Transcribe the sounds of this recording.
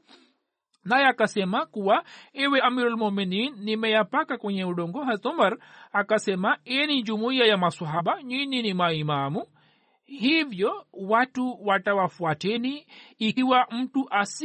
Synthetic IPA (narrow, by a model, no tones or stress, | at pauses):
najɛakasɛmakuwaɛwɛʔamiɾulmumininːimɛjapakakwɛɲɛuɗɔŋɡɔɦazɔmaɾakasɛmaɛɛnid͡ʒumuiajamaswaɦaɓaɲiɲinimaimamu | hivjɔwatuwatawafuatɛniː | wam̩tuʔas